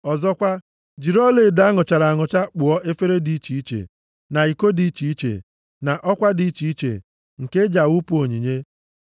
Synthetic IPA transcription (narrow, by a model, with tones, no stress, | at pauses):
ɔ˨zɔ˦kʷa˦ | d͡ʒi˨ɾɔ˦le˨da˦ŋʊ˨t͡ʃa˨ɾa˨a˨ŋʊ˨t͡ʃa˦k͡pʊ˨ɔ˦ʔe˦fe˦ɾe˦di˨˦t͡ʃi˨i˦t͡ʃḛ˨ | na˨i˨ko˦di˨˦t͡ʃi˨i˦t͡ʃḛ˨ | na˨ʔɔ˦kʷa˦di˨˦i˦t͡ʃi˨i˦t͡ʃḛ˨ | ŋ̩˨ke˦d͡ʒa˨u˦pu˦o˨ɲi˨ɲe˦